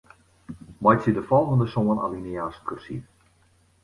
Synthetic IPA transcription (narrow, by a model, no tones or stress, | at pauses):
majsidəfɔlˠɣəndəsoəna̰liniaskʰørsḭ